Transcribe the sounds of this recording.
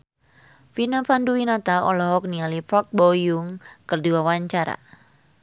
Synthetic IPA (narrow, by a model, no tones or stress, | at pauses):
finafanduwinat̪aɔ̰lɔɦɔk̚nialifɔk̚bɔjʊŋkɨrdiwawaɲt͡ʃaɾa̰